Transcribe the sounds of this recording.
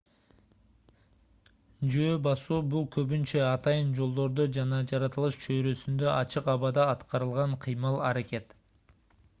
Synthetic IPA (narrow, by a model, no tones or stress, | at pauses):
d͡ʒøːbɑsuːbulˠkʰøβynt͡ʃeɑt̪ɑjɯnd͡ʒo̞lˠd̪o̞ɾd̪od͡ʒɑnɑd͡ʒɑɾɑt̪ɯlˠɯʃt͡ʃʰøjɾø̞synd̪øʔɑt͡ʃɯqɑβɑd̪ɑːt̪qɑɾɯlˠʁɑɴqʰɨjmɯlˠɑɾakʲe̞t̪